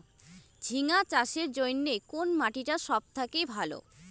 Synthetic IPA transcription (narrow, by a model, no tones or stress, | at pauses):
d͡ʑʱiŋat͡ɕaʃeɾd͡ʑojnːekonmaʈiʈaʃɔb̚t̪ʰakejbʱalo̰